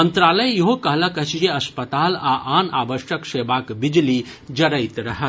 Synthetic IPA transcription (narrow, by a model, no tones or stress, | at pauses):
mənt̪ɾaləjjɐɦokɐɦləkət͡ʃd͡ʒeɐspət̪aːlaʔaːnabəʃjəkseːbakbid͡ʒli | d͡ʒɐɾəjt̪ɾɐɦə